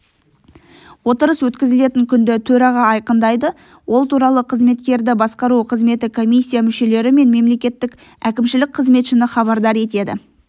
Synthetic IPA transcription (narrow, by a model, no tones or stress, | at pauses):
wo̞t̪əɾəswɵt̪kʲɪzɪle̞t̪ɪŋkʲʰʏnd̪ɪt̪ʰɵɾɑʁɑɑjqənd̪ɑjd̪ə | wʔo̞lˠt̪uɾɑlˠəqʰəzme̞t̪kʲe̞ɾd̪ɪbɑsqɑɾuqʰəzme̞t̪ɪkʰo̞mʲijsʲːijamʏʃe̞le̞ɾɪme̞nme̞mle̞kʲe̞t̪ːɪkʲ | ækʲɪmʃɪlɪk̚qʰəzme̞t̪ʃɪnɪχɑβɑɾd̪ɑɾe̞t̪e̞d̪ɪ̰